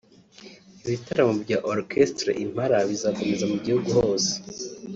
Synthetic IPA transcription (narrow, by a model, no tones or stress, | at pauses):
iβitaɾamobɟaːʔoɾkʰestɾḛʔim̥haɾaβizako̞me̞zamuɟihuɡuho̞ːse̥